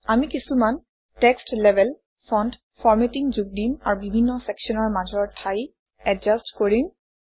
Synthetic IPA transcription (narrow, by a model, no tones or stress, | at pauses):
amikisuman | tɛkstlɛbʱɛl | pʰɔnd | fʰɔɹmetiŋzuɡ̚dima̰ɹbibʱinːɔsɛkʃɔnɔɹmazɔɹtʰaj | ɛd͡ʒastkoɹim